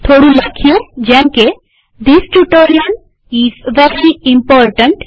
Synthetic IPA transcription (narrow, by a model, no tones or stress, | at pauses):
t̪ʰoːɽũlɐkʰijod͡ʒɛ̃nke | d̪isʈuʈoːɾiən | izʋɛɾɾiĩmpɔːɾʈə̃ɳʈ